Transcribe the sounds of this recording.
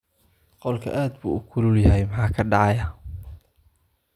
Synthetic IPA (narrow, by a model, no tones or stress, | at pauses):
qɔlkʰɐ̰ʔaːd̪bṵːʊkʰʊlʊljɐɦɛjmɑħɑːkʰɐɖɑʕɑjɐ